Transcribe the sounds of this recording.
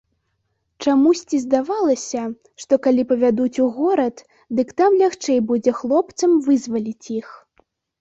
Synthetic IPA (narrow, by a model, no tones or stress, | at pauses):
t͡ʂamusʲt͡sʲizd̪avalˠɐsʲɐ | ʂt̪ɔkalʲipɐvʲad̪ut͡sʲuɣɔɾɐt̪ | d̪ɨkt̪amlʲaxt͡ʂɛjbud͡zʲɛxlˠɔpt̪sɐmvɨzvɐlʲit͡sʲjix